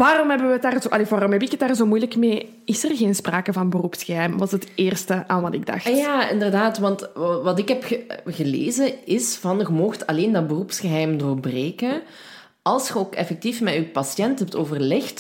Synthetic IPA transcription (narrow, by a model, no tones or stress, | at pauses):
ʋaːrɔmɦɛbəʋtaːrzoʔɑleʋaːɾɔmɦɛpɪkət̚daːrzoːmujləkmeː | ɪsərɣeːnspraːkəvɑnbərupsxəɦɛjmʋɑsɦəteːrstəʔaːnʋɑtɪɡ̚dɑ̰xtjaːɪ̰ndərdaːtʋɑntʋɑtɪkɦɛpəɣəlḛːzəɪsv̥ɑnɣəmɔxtɑleːndɑt̚bərupsxəɦɛjmdoːrbreːkən | ɑlˠsxəoːkɛ̰fɛk̚tifmɛypɑsjɛntɦɛp̚toːvərlɪxt